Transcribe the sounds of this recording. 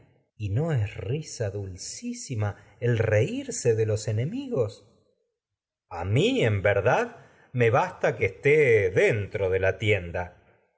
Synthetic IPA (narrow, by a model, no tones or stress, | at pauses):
ino̞esrisaðulsisima | elreiɾseðelo̞se̞ne̞miɣo̞s | amiembeɾðað | me̞βast̪akest̪eðent̪ɾoðe̞lat̪jend̪a